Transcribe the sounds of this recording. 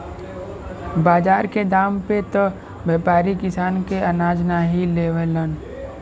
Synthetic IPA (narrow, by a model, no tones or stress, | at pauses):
baːd͡ʒaːɾked̪aːmpet̪ə | beːpaːɾikɪsaːnkeənaːd͡ʒnaɦileːʋələn